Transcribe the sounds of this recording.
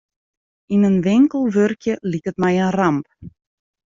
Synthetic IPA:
inənʋɪŋkəlˠʋørkjəlikətmɛjənramp

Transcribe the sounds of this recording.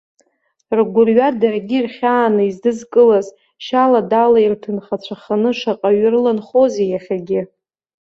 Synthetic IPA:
rɡʷʊrɥadarɡʲirχʲaːnɨizdɨzkʼɨlaz | ʃaladalairtʰɨnχat͡ɕʷʰaχanɨʂaqʼaɥrɨlanχozejaχʲaɡʲɪ

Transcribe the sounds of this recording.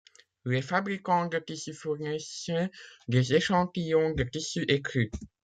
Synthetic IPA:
lɛfabʁikɑ̃d̪ət̪isyfuʁnɛsjɛ̃d̪ezeʃɑ̃t̪ijɔ̃d̪ət̪isyʔekχy

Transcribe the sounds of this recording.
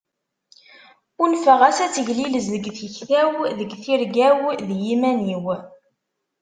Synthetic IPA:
ʊnfəʁæsæt͡sːəʝliləzðəɡθəçθæwðəɡθiɾɡæwðjimæniw

